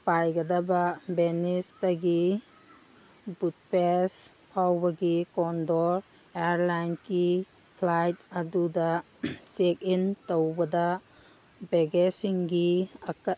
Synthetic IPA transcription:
pajɡɐdɐbɐbenistɐɡi | but̚pes | pʰawbɐɡikɔndɔɾ | eaɾlajnki | pʰlajtɐdudɐ | sek̚intowbɐdɐ | beɡesiŋɡiɐk

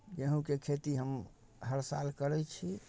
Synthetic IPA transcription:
d͡ʒeɦũkekʰet̪iɦəm | ɦəɾsa̰lkəɾɛt͡ʃʰi

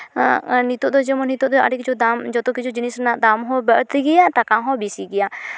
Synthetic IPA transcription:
nit̪ɔʔd̪ɔd͡ʒɛmɔnit̪ɔʔd̪ɔa̰ɖikd͡ʒɔd̪amd͡ʒɔt̪ɔkid͡ʒɔd͡ʒinisnaʔd̪amɦɔbəʔt̪iɡijat̪akãɦɔbisiɡɛja

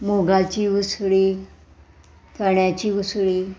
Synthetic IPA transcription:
moɡat͡ɕiːʋusɭi | t̪ʰəɳjat͡ɕiːʋusɭiː

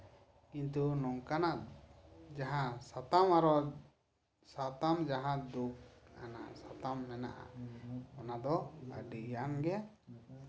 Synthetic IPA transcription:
kint̪unɔŋkanaʔ | d͡ʒaɦãsat̪amaɾɔ | sat̪amd͡ʒaɦãd̪uk̚a̰na̰sat̪amnɛna̰ʔa̰ɔnad̪ɔa̰ɖijanɡɛ

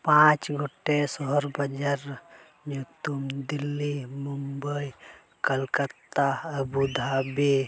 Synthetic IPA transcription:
pãt͡ʃɡʱoʈːesɔɦɾbəd͡ʒəɾ | jut̪umd̪ilːimumbəj | kəlkət̪ːaəbud̪ʱabe

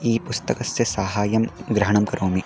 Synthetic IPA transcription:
iːpʊst̪ɐkɐsjɐsaːɦaːjɐmɡɾɐɦɐɳ̃ɐmkɐɾoːmi

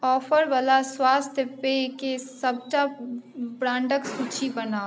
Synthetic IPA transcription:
ɔːfəɾʋalaswaːst̪ʰjəpekesəb̚t͡ʃa | bɾãːɳɖəksut͡ʃʰibənaː

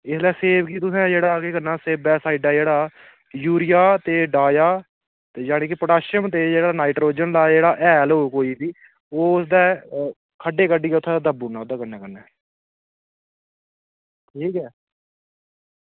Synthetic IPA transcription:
ɪslɛːseːbkiːt̪̬ʊsɛ̃ːd͡ʒeːɽaːkeːkənːaːseːbbɛːsaːiɖɛːd͡ʒeːɽaː | juːɾɪjaːt̪eːɖaːjaː | t̪eːd͡ʒaːɽ̃ẽːkɪpɾəɖaːʃəmt̪eːd͡ʒeːɽaːnaːɪʈɾoːd͡ʒənlaːd͡ʒeːɽaːʔɛːlɦoːkoːiːsiː | oːʊsd̪ɛː | kʰəɖeːkəɖiːɛːʊt̪ʰːãːd̪aːd̪əbuːnaːd̪aːkənːɛ̃ːkənːɛː | ʈʰiːkɛː

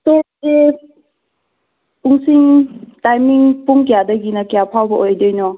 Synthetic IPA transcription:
t̪ɔ | e | puŋsiŋtajmiŋpuŋkjadəɡinakjapʰawbɔʔɔjdɔjnɔ

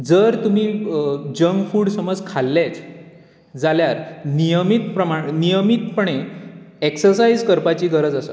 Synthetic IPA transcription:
d͡zəɾt̪umiːd͡ʑəŋɡfuːɽsəməd͡zkʰalːet͡s | d͡zaljaɾnijəmit̪pɾəmaɳnijəmit̪pəɳ̃eeksəɾsaid͡zkəɾpat͡ɕiːɡəɾəd͡zəsə̰

